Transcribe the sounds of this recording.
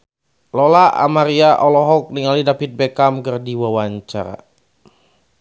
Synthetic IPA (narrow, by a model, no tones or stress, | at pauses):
lɔlaʔa̰maɾiaʔɔlɔɦɔk̚niŋalidapit̪̚bɛkamkərdiwawaɲt͡ʃa̰ɾa̰